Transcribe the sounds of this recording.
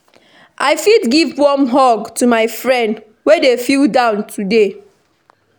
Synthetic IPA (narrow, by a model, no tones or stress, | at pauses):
ʔaɪfidɡivbɔ̃mɦɔɡtumaɪfɹɛ̃nd | wedefildãʊ̃ntʰude